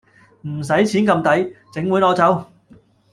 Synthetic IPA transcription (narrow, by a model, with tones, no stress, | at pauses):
m̩˨˩s̬ɐ˨˥jt͡sʰiː˨˥nkɐ˧mt̪ɐ˨˥jt͡sɪ˨˥ŋwu˨˥jlɔː˧˥t͡sɐ˨˥w